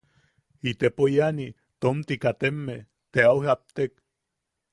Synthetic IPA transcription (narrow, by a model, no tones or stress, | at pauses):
it̪epojani | t̪omt̪ikat̪emːe | t̪eawhap̚t̪ek